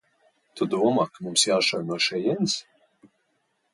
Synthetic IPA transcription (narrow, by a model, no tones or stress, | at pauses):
t̪ud̪uɔmakmumsjaːʃɔjnuɔʃɛjɛns